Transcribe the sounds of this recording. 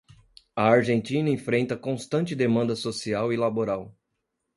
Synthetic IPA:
ɐaɾʒẽnt͡ʃĩnɐẽfɾẽnt̪ɐkõst̪ɐ̃nt͡ʃɪd̪emɐ̃nd̪ɐsosiawilaboɾaw

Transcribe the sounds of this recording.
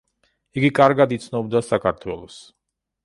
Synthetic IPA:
iɡikʼaɾɡad̪it̪sʰnɔbd̪asakʰaɾt̪ʰwɛlˠɔs

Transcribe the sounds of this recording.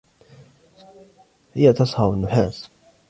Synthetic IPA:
hɪjːat̪ɑsˤhɑwanːʊħaːs

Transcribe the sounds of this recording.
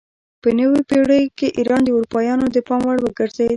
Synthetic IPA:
pənəwipeɽəjkeʔiɾɑnd̪əuɾupɑjɑnod̪əpɑmwaɽwəɡəɾze

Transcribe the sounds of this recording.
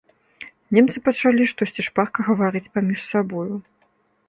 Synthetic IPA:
nʲɛmt̪sɨpɐt͡ʂalʲiʂt̪ɔsʲt͡sʲiʂparkɐɣɐvaɾɨt͡sʲpamʲiʂsabɔju

